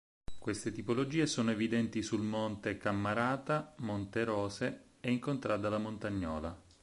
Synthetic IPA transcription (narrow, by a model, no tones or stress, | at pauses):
kwest̪et̪ipolod͡ʒiːesoːnoevid̪ɛnt̪isulmont̪ekamːaɾaːt̪amont̪eɾɔːse | ɛiŋkont̪ɾaːt̪d̪alːamont̪aɲːɔ̰ːla